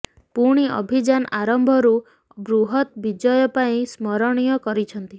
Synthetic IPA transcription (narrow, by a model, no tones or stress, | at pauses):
puɽ̃iʔɔ̰bʱid͡ʒanʔaɾɔmbʱɔɾu | bɾuɦɔt̪bid͡ʒɔjɔpaĩsmɔɾɔɽ̃ijɔkɔɾit͡ʃʰɔnt̪i